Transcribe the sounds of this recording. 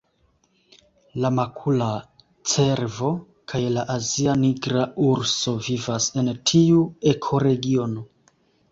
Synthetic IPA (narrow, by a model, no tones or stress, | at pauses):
lamakʰula | t͡se̞ɾvo̞ | kʰajlaʔazianiɡɾauɾso̞vivase̞ntʰiue̞kʰo̞ɾe̞ɡio̞no̞